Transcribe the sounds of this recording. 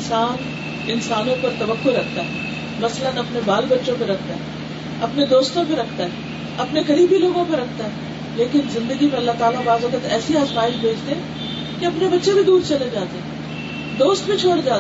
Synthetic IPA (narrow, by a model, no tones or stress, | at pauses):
saːn | ɪnsaːnõpɐɾt̪ɐʋəkːoɾɐkʰt̪aɦɛː | mɐslənɐpnebaːlbɐtːʃõp̬eɾɐkʰt̪aɦɛː | ɐpned̪oːst̪õpeɾɐkʰt̪aɦɛː | ɐpnekɐɾiːbiloːɡõpɐɾɐk̚ʰt̪aɦɛː | leːkɪnzɪ̃nd̪əɡimẽɐlːaɦt̪aːlabaːzʋɐkət̪ɛːsiaːspaːɪʃbʱeːd͡ʒt̪eɦɛ̃ | keɐpnebɐtːʃebʱid̪uːɾt͡ʃɐled͡ʒaːt̪eɦɛ̃ | d̪oːst̪bʱĩt͡ʃʰoːɽd͡ʒaːt̪ː